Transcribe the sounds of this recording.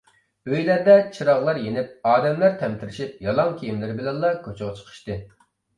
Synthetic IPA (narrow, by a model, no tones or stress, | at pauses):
øjlæɾd̪ɛt͡ʃʰiɾɑʁlˠɑɾjenɪp̚ɑːd̪ɛmlæɾt̪ʰɛmt̪ʰɪɾɪʃip̚jɑlˠɑŋkʲʰejimlɪɾɪbɪlɛnlːˠɑkʲʰøt͡ʃʰʊʁɑt͡ʃʰə̥qʰə̥ʃt̪ɨ